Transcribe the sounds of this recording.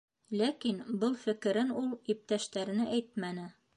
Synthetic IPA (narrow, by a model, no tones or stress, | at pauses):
lækinbɤlˠfɘ̆kɘ̆ɾɘnulˠip̚t̪æʃt̪æɾnɘʔæjt̪̚mænɘ